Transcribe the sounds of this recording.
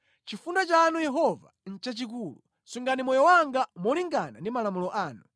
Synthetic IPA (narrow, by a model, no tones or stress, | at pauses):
t͡ʃifundat͡ʃaːnujɛɦɔva̰n̩t͡ʃat͡ʃik̬uːlu | suŋɡanimɔjɔwaŋɡamɔliŋɡana̰ndimalamulɔʔaːnu